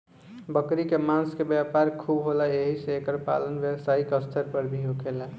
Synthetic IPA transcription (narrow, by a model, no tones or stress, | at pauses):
bəkɾikemãnskebjapaɾkʰubɦolaeɦiseekəɾpa̰lənbjəbsaikeəst̪ʰəɾpəɾbʱiɦokʰela